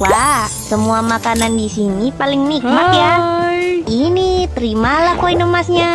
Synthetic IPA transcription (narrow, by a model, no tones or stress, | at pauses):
wawsəmuamakanandisinipalɪŋnik̚makja | init̪əɾimalahkoinəmasɲa